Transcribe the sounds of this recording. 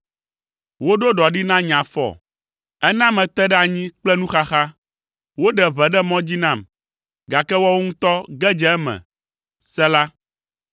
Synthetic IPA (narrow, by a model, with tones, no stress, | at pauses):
wo˦ɖo˦ɖɔ˨ɖi˦nã˦ɲã˨fɔ̰˨ | ɛ˦nã˦mɛ̃˨t̪ɛ˦ɖɛ˦a˨ɲĩ˦k͡plɛ˦nũ˦xa˦xa˦ | wo˦ɖɛ˨βɛ˨ɖɛ˦mɔ̃˦d͡ʑi˦nã˨m | ɡa˨kɛ˦wɔ˦wo˦ŋũ˦t̪ɔ˦ɡɛ˦d͡ʒɛ˨ɛ˦mɛ̰̃˨ | sɛ˦la˦